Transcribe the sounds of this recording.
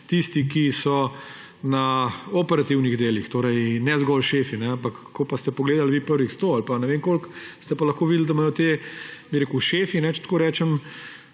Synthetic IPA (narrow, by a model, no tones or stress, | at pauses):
t̪ist̪ikisɔ | nɐopɛɾat̪iwniɣd̪eːlixt̪oːɾɛjnɛzɡɔlʃeːfinɛampakː | kːopast̪ɛpɔɡleːd̪alʋiːpəɾʋixst̪oːalpanɛʋeːŋkolkst̪ɛpalɐxkoːʋid̪ld̪amajɔt̪ebiɾeːkuʊʃeːfinɛt͡ʃɛ̥t̪koːɾɛːt͡ʃɛm